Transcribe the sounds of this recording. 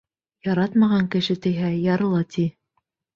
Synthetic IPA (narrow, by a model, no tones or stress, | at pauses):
jɑɾɑt̪mɑʁɑŋkɘ̆ʃɘt̪ɘ̆jɦæjɑɾɤ̆lˠɑt̪i